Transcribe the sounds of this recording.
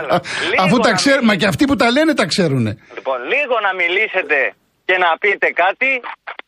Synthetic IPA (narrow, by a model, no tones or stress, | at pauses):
lɐfut̪ɐkseɾmɐceɐft̪iput̪ɐle̞ne̞t̪ɐkse̞ɾune̞̰liponliɣo̞nɐmilise̞t̪e̞ | ce̞nɐpit̪e̞kɐt̪i